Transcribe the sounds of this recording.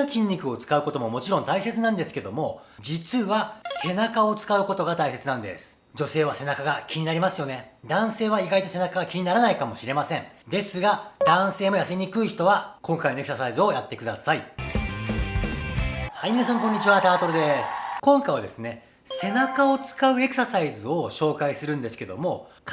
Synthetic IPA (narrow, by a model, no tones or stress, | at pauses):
kʲĩɲ̟ʲːikɯ̟o̞t͡sɨ̥kaɯ̟ko̞t̪o̞mo̞mo̞t͡ɕiɾõ̞nt̪aise̞t͡sɨnãnd̪e̞sɨ̥ke̞d̪o̞mo̞ | d͡ʑit͡sɨβase̞nakao̞t͡sɨ̥kaɯ̟ko̞t̪o̞ɡat̪aise̞t͡sɨnãnd̪e̞̰sɨ̥ | d͡ʑo̞se̞ːβase̞nakaɡakʲiɲ̟inaɾʲimasɨjo̞ne̞ | d̪ãɰ̃se̞ːβaiɡait̪o̞se̞nakaɡakʲiɲ̟inaɾanaikamo̞ɕiɾe̞masẽ̞ɴ | d̪e̞sɨɡad̪̥ãɰ̃se̞ːmo̞jasiɲ̟ikɯ̟içt̪o̞βakõ̞ŋkaino̞e̞kɯ̟̥sasaizɨo̞jat̪ːe̞kɯd̪asai | haimʲinas̬ãŋkõ̞ɲ̟ːit͡ɕiβat̪aːt̪o̞ɾɯd̪e̞sɨ̥kõ̞ŋkaiβad̪e̞̰sɨne̞ | se̞nakao̞t͡sɨ̥kaɯ̟e̞kɯ̟sasaizɨoɕo̞ːkaisɨɾɯ̟̃nd̪e̞sɨ̥ke̞d̪o̞̰mo̞